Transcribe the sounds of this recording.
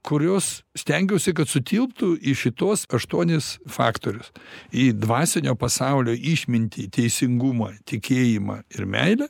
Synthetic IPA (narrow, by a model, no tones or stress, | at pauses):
kʊɾʲoːssʲt̪ʲɛŋʲɡʲɛʊsʲɪkɐt̪sʊt̪ʲiːlˠpt̪ʊiʃʲɪt̪oːsɐʃt̪uɔnʲɪsfɑ̰ːkt̪oːɾʲʊsiːd̪ʋɑːsʲɛnʲoːpɐsɑʊlʲoːʔiʃʲmʲɪnʲt̪ʲiːt̪ʲɛɪsʲɪŋɡumɐt̪ʲɪkʲeːjimɐ̰ːɪrmʲɛ̰ɪlʲɛː